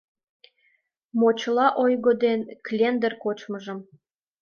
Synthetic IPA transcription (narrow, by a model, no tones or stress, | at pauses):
mot͡ɕlɑʔojɣod̪enklʲend̪ərkot͡ɕməʒə̆m